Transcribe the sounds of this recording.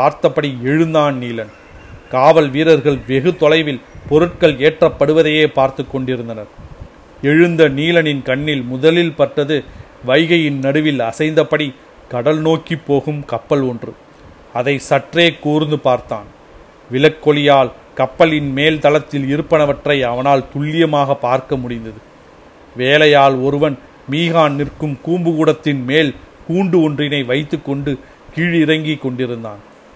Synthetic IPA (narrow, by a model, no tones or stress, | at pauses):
paːɾt̪ɐpːɐɽiɛɻɯnd̪aːnniːlɐn | kaːʋɐlʋiːɾɐɾɣɐɭʋɛɣɯt̪ɔlɐɪʋɪlpɔɾɯʈ̚kɐɭeːʈrɐpːɐɽɯʋɐðɐjeːpaːɾt̪ɯkːɔɳɖɪɾɯnd̪ɐnɐɾ | ɛɻɯnd̪ɐniːlɐnɪnkɐɳːɪlmʊðɐlɪlpɐʈːɐðɯ | ʋɐɪɣɐjɪnnɐɽɯʋɪlɐsɐɪnd̪ɐpːɐɽi | kɐɽɐlnoːkːipːoːɣɯmkɐpːɐlɔndrɯ | ɐðɐɪsɐʈreːkːuːɾɯnd̪ɯpaːɾt̪aːn | ʋɪlɐkːɔlɪjaːl | kɐpːɐlɪnmeːlt̪ɐlɐt̪ːɪlɪɾɯpːɐnɐʋɐʈrɐɪɐʋɐnaːlt̪ʊɭːɪjɐmaːɣɐpːaːɾkɐmʊɽɪnd̪ɐðɯ | ʋeːlɐjaːlɔɾɯʋɐn | miːɣaːnnɪrkɯmkuːmbɯɣuːɽɐt̪ːɪnmeːlkuːɳɖɯɔndrɪnɐɪʋɐɪt̪ːɯkːɔɳɖɯ | kiːɻɪɾɐŋɡɪkːɔɳɖɪɾɯnd̪a̰ːn